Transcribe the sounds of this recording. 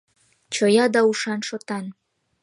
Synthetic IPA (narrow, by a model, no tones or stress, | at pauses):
t͡ɕojɑd̪ɑuʃɑnʃot̪ɑn